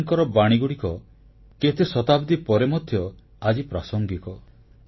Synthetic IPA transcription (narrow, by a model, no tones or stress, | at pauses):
ŋkɔɾɔbaɽ̃iɡuɽikɔ | ket̪ʰesɔt̪abd̪ipɔɾemɔd̪ʱːjɔ | ad͡ʒipɾasɔŋɡit̪ɔ